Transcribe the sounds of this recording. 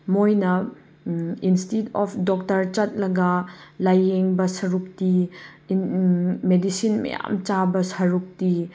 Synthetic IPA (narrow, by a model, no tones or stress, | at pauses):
mojnɐ | institɔpʰdɔk̚tɐɾt͡ʃɐt̚lɐɡɐlajːeŋbɐsɐɾuk̚ti | medisinmɐ̰ja̰mt͡ʃabɐsɐɾuk̚ti